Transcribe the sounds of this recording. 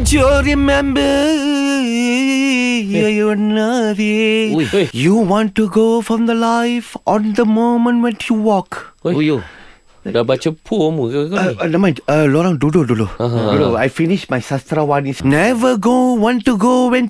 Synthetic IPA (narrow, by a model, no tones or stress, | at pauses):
d͡ʒuɹimɛ̃mbə | jɔnʌtĩ | juwɔ̃ntuɡofɹɔ̃md̪əlajfʔɔ̃nd̪əmõmə̃nwɛ̃njuwɔk | dabat͡ʃəpʰuomunamãəlɔɾãŋdudodudoudoajfiniʃmajsast̪ɾawanĩsnɛvəɡowɔ̃ntuɡowɛ̃n